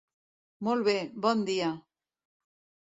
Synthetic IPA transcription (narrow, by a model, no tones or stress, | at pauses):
molβeband̪ia